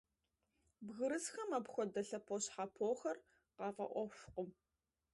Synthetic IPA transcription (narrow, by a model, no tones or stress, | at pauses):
bɣɨɾɨsxɐmɐpxʷɔdɐɬɐpʰoɕħapʰoːxɐr | qɑːvɐ̰ʔʷɔɕʷqʷʊm